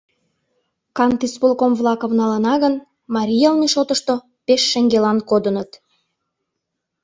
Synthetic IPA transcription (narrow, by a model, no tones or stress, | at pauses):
kɑnt̪ispulkomβlˠɑkŏvnɑlənɑɣən | mɑɾʲijɑlmiʃot̪əʃt̪o | peʃːĕŋɡelɑnkod̪ənət̪